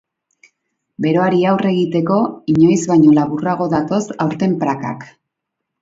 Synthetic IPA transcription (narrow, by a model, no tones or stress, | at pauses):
be̞ɾo̞aɾiawre̞ɣit̪e̞ko̞iɲo̞jzβajɲo̞laβuraɣ̞o̞ðat̪o̞sawɾt̪e̞mpɾaka̰k